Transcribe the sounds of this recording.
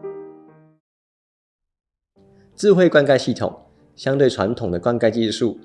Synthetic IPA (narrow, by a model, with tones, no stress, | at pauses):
t͡sɹ̩˥˧˨xwe˥˧ɪkwa˥nka˥˧ɪɕi˥˩t̪ʰʊ̰˨˩ŋ | ɕjɑ˥˦ŋt̪we˥˩ɪwa̰˧˦nt̪ʰʊ˨˩ŋd̪ə˦kwa˥˦nka˥˧ɪt͡ɕi˥˧ʂu˥˩